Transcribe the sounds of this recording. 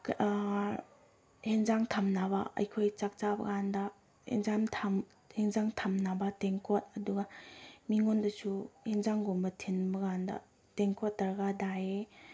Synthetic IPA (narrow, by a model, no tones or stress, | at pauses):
heŋzaŋtʰamnaβɐɐ̰jkʰojt͡ʃak̚t͡ʃabɐ̰ɡandɐ | hḛŋzamtʰam | heŋzaŋtʰamnabɐteŋkot̚ɐduɡɐmiŋondɐsuheŋzaŋɡombɐtʰinbɐɡandɐ̰ | teŋkot̚dɐɾɡadaje